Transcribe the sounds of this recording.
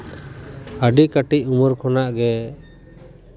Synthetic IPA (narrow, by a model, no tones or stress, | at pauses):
əɖikaʈic̚umɔɾkʰɔnaʔɡɛ